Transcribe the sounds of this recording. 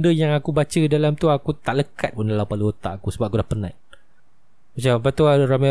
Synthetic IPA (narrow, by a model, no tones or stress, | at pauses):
ndəjaŋakubat͡ʃədalamt̪uaakut̪aʔləkat̪̚pundalawpaluət̪a̰ʔakusəbapakudahpənã̰ | mat͡ʃampat̪uarama